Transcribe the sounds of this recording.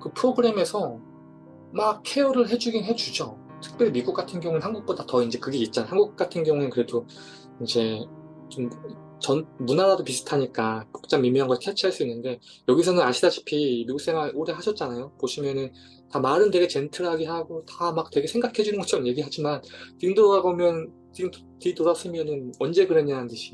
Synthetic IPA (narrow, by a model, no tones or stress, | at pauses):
kɯpʰɯɾoɡɯɾe̞me̞sʰʌ | mak̚kʰe̞uɾɯɭɦe̞d͡ʑuɡinɦe̞d͡ʑud͡ʑo | tʰɯ̥k̚p͈jʌɾimiɡuk͈atʰɯnɡjʌŋueɦanɡuk̚p͈odatʌind͡ʑe̞kɯɡe̞it̚t͡ɕ͈anaɦanɡuk̚k͈atʰɯnɡjʌŋue̞kɯɾe̞do | ind͡ʑe̞ | t͡ɕom | t͡ɕʌnmunaɾadopisʰu̥tʰaɲik͈ako̥k̚t͡ɕ͈aŋmimiɦanɡʌkʰjat͡ɕʰiɦaɭs͈uinːɯnde̞jʌɡisʰʌnɯnaɕʰidat͡ɕʰi̥pʰimiɡuks͈e̞ŋaʔoɾe̞ɦaɕʰʌt̚t͡ɕ͈anajopoɕʰimjʌnɯn | tamaɾɯnde̞ɡe̞t͡ɕe̞ntʰɯɭɦaɡiɦaɡotamak̚twe̞ɡe̞sʰe̞ŋɡakʰe̞d͡ʑunɯnɡʌt͡ɕʰʌɾʌmje̞ɡiɦad͡ʑimantiɡɯndoaɡomjʌn | t͡ɕiɡɯm | tiitoɾas͈ʰɯmjʌnɯnʌnd͡ʑe̞ɡɯɾeɲantɯɕʰi̥